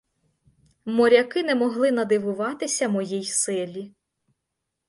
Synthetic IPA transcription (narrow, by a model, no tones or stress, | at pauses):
mɔɾʲɐkɪnɛmɔɦlˠɪnɐd̪ɪʋʊʋɑt̪ɪsʲɐmɔjijsɪlʲi